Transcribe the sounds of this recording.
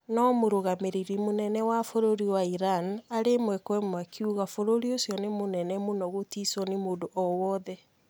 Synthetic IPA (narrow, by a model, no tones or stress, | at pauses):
nɔmoɾoɣameɾiɾimonɛnɛwafoɾoɾiwaiɾanaɾemwɛkwɛmwakʰiuɣafoɾoɾiosjɔnemonɛnɛmonɔɣotisɔnemoːdoʔɔwɔðɛ